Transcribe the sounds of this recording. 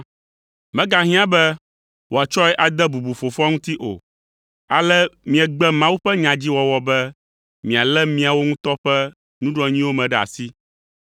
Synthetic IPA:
mɛ̃˦ɡa˦ɦĩ˦ã˦bɛ˦ | wo˨a˨t͡ʃɔ˦ɛ˦ʔa˨d̪ɛ˦bu˨bu˨fo˨fɔ˦ŋũ˦t̪i˦ʔo̰˨ | a˨lɛ˦mĩ˨ɛ˨ɡ͡bɛ˦mã˦wu˦ɸɛ˦ɲã˨d͡ʑi˦wɔ˨wɔ˨˦bɛ˦ | mĩ˨a˨lɛ˦mĩ˦a˨wo˦ŋũ˦t̪ɔ˦ɸɛ˦ | nũ˦ɖɔ˨ɲĩ˦wo˦mɛ̃˨ɖɛ˨a̰˨si˦

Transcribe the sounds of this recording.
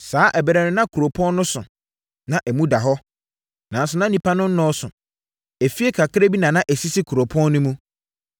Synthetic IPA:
saː˨˦ʔɛ˨bɛ˨ɾɛ˨nɪ̃˦nã˦kʰu˨ɾo˨pʰɔ̃˦n˦nʊ̃˦sʊ˨ | nã˨ʔɛ˨mũ˦da˨ɦɔ˦ | nã˨n̩˦sʊ˨nã˦nĩ˨pʰa˦nʊ̃˦n̩˦nɔ̃˦sʊ̰˨ | ɛ˨fi˦e˦kʰa˨kʰɾe˦bi˦nã˨nã˦ʔɛ˨si˦sɪ˦kʰu˨ɾo˨pʰɔ̃˦nː˦ʊ̃˦mũ˦

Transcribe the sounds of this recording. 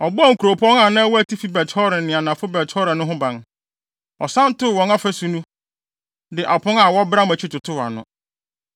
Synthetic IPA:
ɔ˨bɔ˦ɔ˦˨ŋ̩˨kʰu˨ɾo˨pʰɔ̃˦ŋa˨nã˦wɔ˦æ˨tʰi˦fi˦bɛ˨tʰɔ˦ɾɪ˨nɪ̃˨a˨nã˨fʊ˦bɛ˨tʰɔ˦ɾɪ˨nʊ̃˦ɦʊ̃˦bã˨n | ɔ˨sã˦n˦tʊ˦˨wɔ̃˨na˦fæ˦su˨nũ˦ | dɪ˨ʔa˨pʊ̃˦ŋa˨wɔ˦bɾa˦mæ̃˨t͡ɕʰi˦tʊ˨tʰʊ˦wa̰˨nʊ̰̃˨

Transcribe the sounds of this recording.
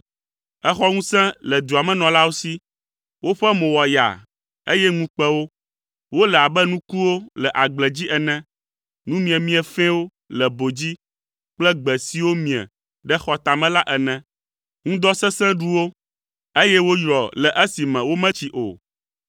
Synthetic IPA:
ɛ˦xɔ˦ŋũ˦sɛ̃˦lɛ˨d̪u˨a˨mɛ̃˦nɔ̃˨la˦wo˦si˦ | wo˦ɸɛ˦mõ˨wɔ˨ja̰˨ | e˦jɛ˦ŋũ˦k͡pɛ˦wo˦ | wo˦lɛ˨a˨bɛ˦nũ˦ku˦wo˦lɛ˨ʔa˨ɡ͡blɛ˨d͡ʑi˦ʔɛ˨nɛ̃˦ | nũ˦mĩ˨ɛ̃˨mĩ˦ɛ˨fɛ̃˦wo˦ | lɛ˨bo˨d͡ʑi˦ | k͡plɛ˦ɡ͡bɛ˨si˨wo˦mĩ˨ɛ̰̃˨ | ɖɛ˦xɔ˨t̪a˨mɛ̃˦la˦ʔɛ˨nɛ̃˨ | ŋũ˦d̪ɔ˦sɛ̃˦sɛ̃˦ɖu˦wo˦ | e˦jɛ˦wo˦jɾɔ˨lɛ˨ʔe˦si˨mɛ̃˨wo˦mɛ̃˦t͡ɕi˨ʔo̰˨

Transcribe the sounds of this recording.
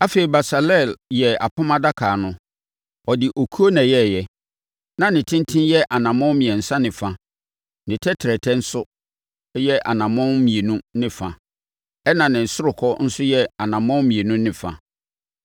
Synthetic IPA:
a˦fe˨i˨ba˨sa˨lɛ˦˨ljɛ˨a˨pʰʊ̃˦mã˦da˦kʰaː˨nʊ̃˦ | ɔ˨dɪ˨ʔo˨kʰu˦o˦nã˨jɛ˦˨jɛ˨ | nã˨nɪ̃˨tʰɪ̃˦n˦tʰɪ̃˦njɛ˦ʔa˨nã˨mɔ̃˦mĩ˨ɛ̃˨n̩˨sã˦nɪ̃˨fã˦ | nɪ̃˨tʰɛ˦tʰɪ˨ɾɛ˨tʰɛ̃˦n̩˦sʊ˦ | jɛ˦ʔa˨nã˨mɔ̃˦nmĩ˨e˨nũ˦nɪ̃˦fã˨ | ɛ˦nã˨nɪ̃˨n̩˨sʊ˦ɾʊ˨kʰɔ˦n̩˦sʊ˦jɛ˦a˨nã˨mɔ̃˦mĩ˨e˨nũ˦nɪ̃˨fã̰˨

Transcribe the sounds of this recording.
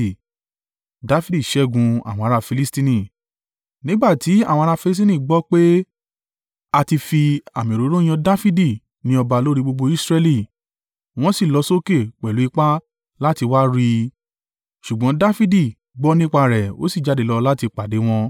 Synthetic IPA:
da˦fi˦di˦˨ʃɛ˨˦ɡũ˧a̰˨w̃ɔ̃˧a˧ɾa˧fi˧li˦stĩ˦nĩ˦˨ | nĩ˦ɡ͡ba˦˨ti˨˦a˦˨w̃ɔ̃˧ɾa˧fi˧li˦s̬tĩ˦nĩ˦˨ɡ͡bɔ˦k͡pe˦ | a˧ti˧fi˧a˨mĩ˨ɾo˨˦ɾõ˦j̃ɔ̃˧da˦fi˦di˦˨ | nĩ˧˦ɔ˧ba˧lo˦ɾi˦˧ɡ͡bo˧ɡ͡bo˧i˦sɾɛ˧li˨ | w̃ɔ̃˦si˦˨lɔ˨˧˦so˦ke˦˨k͡pɛ˨lu˨˦i˦˧k͡pa˦ | la˦ti˧wa˦ɾi˧ | ʃu˨ɡ͡bɔ̃˨˦da˦fi˦di˦˨ | ɡ͡bɔ˦nĩ˦k͡pa˧ɾɛ˨o̰˦si˦˨d͡ʒa˨˦de˨˦lɔ˧la˦ti˧k͡pa˨de˨˦w̃ɔ̃˧

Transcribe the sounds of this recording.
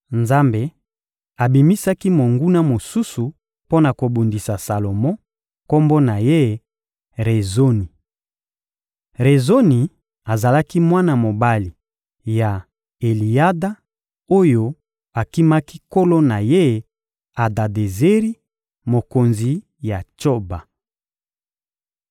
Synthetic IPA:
nza˦mbe˨ | a˨bi˨mi˦sa˦ki˦mo˨ŋɡu˦na˦mo˨su˦su˨ | po˦na˨ko˨bu˨ndi˨sa˨sa˨lo˨mɔ̃˦ | ko˦mbo˦na˨je˦ | ʁe˨zo˦ni˨ | ʁe˨zo˦ni˨ | a˨za˨la˦ki˦mwa˦na˨mo˨ba˦li˨ | ja˨ | e˨li˨ja˦da˦ | o˦jo˦ | a˨ki˦ma˦ki˦ko˦lo˦na˨je˦ | a˨da˨de˨ze˦ʁi˦ | mo˨ko˨nzi˨ | ja˨t͡ʃo˦ba˨

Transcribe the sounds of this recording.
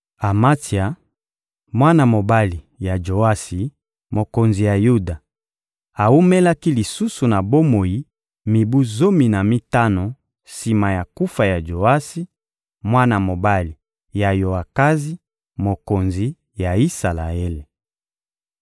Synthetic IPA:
a˨ma˦ti˨a˨ | mwa˦na˨mo˨ba˦li˨ | ja˨d͡ʒo˨a˦si˨ | mo˨ko˨nzi˨ja˨ju˦da˨ | a˨u˦me˦la˦ki˦li˨su˦su˨na˨bo˦mo˨ji˦ | mi˨bu˦zo˦mi˨na˨mi˦ta˦no˨ | si˨ma˨ja˨ku˦fa˨ja˨d͡ʒo˨a˦si˦ | mwa˦na˨mo˨ba˦li˨ | ja˨jo˨a˨ka˦zi˦ | mo˨ko˨nzi˨ | ja˨i˦sa˨la̰˨e˦le˨

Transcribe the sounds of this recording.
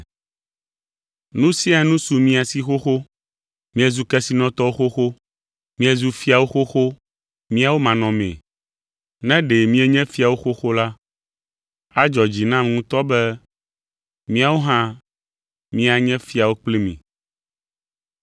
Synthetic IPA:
nũ˦si˦a˨˦nũ˦su˨mĩ˦a˨si˦xo˦xo˦ | mĩ˦ɛ˦zu˦kɛ˦si˦nɔ̃˦t̪ɔ˦wo˦xo˦xo˦ | mĩ˦ɛ˦zu˦fi˦a˨wo˦xo˦xo˦ | mĩ˦a˨wo˦mã˨nɔ̃˨mɛ̰̃˨ | nɛ̃˦ɖe˨mĩ˦ɛ˦ɲɛ̃˦fi˦a˨wo˦xo˦xo˦la˦ | a˦d͡ʒɔ˨d͡ʑi˨nã˦m˨ŋũ˦t̪ɔ˦bɛ˦ | mĩ˦a˨wo˦ɦã˦ | mĩ˦a˨ɲɛ̃˦fi˦a˨wo˦k͡ple˦mḭ̃˨

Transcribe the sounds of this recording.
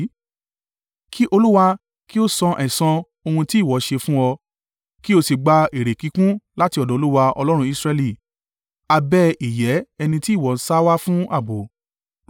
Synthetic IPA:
kʰi˦ʔo˧lu˦wa˧ | ki˦o˦sɔ̃˧ʔɛ˨sɔ̃˧ | o˧hũ˧ti˦˨wɔ˨˦ʃe˧fũ˦ɔ˧ | ki˦o˧si˨ɡ͡ba˧e˨ɾe˨ki˨˦kũ˦la˦ti˧ɔ˨dɔ̃˨o˧˦lu˦wa˧ɔ̰˧lɔ˦ɾ̃ũ˧i˦˧sɾɛ˧li˦˨ | a˧bɛ˦i˨jɛ˨˦ɛ˧nĩ˧ti˦˨wɔ˨n̩˦sa˦wa˦fũ˦a̰˦˨bo˨

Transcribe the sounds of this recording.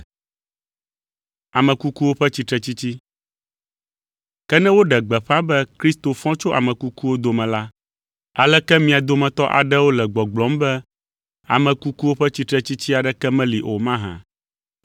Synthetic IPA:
a˨mɛ̃˨ku˦ku˦wo˦ɸɛ˦t͡ɕi˦t̪ɾɛ˦t͡ɕi˦t͡ɕi˦ | kɛ˦nɛ̃˦wo˦ɖɛ˨ɡ͡bɛ˨ɸa˦bɛ˦kɾi˦st̪o˨fɔ̃˦t͡ʃo˦ʔa̰˨mɛ̃˨ku˦ku˦wo˦d̪o˨˦mɛ̃˨la˦ | a˦lɛ˦kɛ˦mĩ˨a˨d̪o˦mɛ̃˨t̪ɔ˦ʔa̰˨ɖɛ˦wo˦lɛ˨ɡ͡bɔ˨ɡ͡blɔ˦mbɛ˦ | a̰˨mɛ̃˨ku˦ku˦wo˦ɸɛ˦t͡ɕi˦t̪ɾɛ˦t͡ɕi˦t͡ɕi˦a˨ɖɛ˦kɛ˦mɛ̃˦li˨ʔo˨mã˦ɦã̰˨

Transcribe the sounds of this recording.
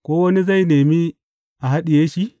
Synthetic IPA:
kʷoː˦wɐ˦ni˦za˦˨jneː˨mi˦ | ʔa˨ɦa˦ɗi˨jeː˦ʃi˦

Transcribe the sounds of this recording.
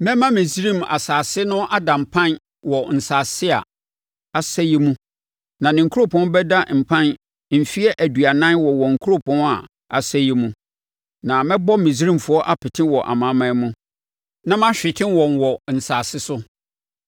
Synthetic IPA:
mɛ̃˦mã˦mɪ̃˨zi˦ɾĩ˦˨ma̰˨saː˨sɪ˦nʊ̃˦ʔa˦dã˨m˨pʰã˦n | wɔ˨n̩˨saː˨sɪ˦a̰˨ | a˨sɛ˦jɛ˦mũ˦ | nã˨nɪ̃˨ŋ̩˨kʰu˦o˦pʰɔ̃˦n˦bɛ˦da˦m̩˨pʰã˦n | m̩˨fi˦ɛ˦ʔæ˨dɥa˨nã˦wɔ˨wɔ˨ŋ̩˨kʰu˦ɾo˦pʰɔ̃˦n˦a˨ | a˨sɛ˦jɛ˦mũ˦ | nã˨mɛ̃˦bɔ˦mĩ˨si˦ɾĩ˦˨mfʊ˦ɔ˦ʔa˦pʰɪ˨tʰɪ̃˦wɔ˨ʔa̰˨mã˨˦mã˨˦mũ˦ | nã˦mã˦ɕᶣɪ˨tʰɪ̃˦nwɔ̃˨nwɔ˨n̩˨saː˨sɪ˦sʊ˦

